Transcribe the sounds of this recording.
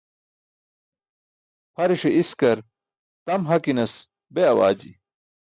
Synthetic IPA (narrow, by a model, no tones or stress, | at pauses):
pʰɐɾeʂeʔiskɐɾ | t̪ɐmɦɐkinɐs | beɐwa̰ːd͡ʑḭ